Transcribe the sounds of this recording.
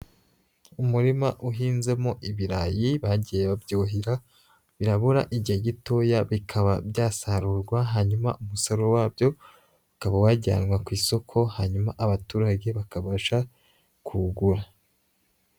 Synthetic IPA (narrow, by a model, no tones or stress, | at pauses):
umuɾimaʔuɦiːnze̞mo̞ʔiβiɾajiβaɟijeβabjoːɦiɾa | βiɾaβuɾaʔiɟieɟitoːjaβikʰaβa̰bjaːsaɾuːɾɡwaɦaːɲuma̰ʔumusoɾowaːbjo̞ | akaβawaɟa̰ːnɡwakwiːso̞kʰo̞haɲumaʔaβatuːɾaɟe̞βakaβaʃa | kʰuɡuɾa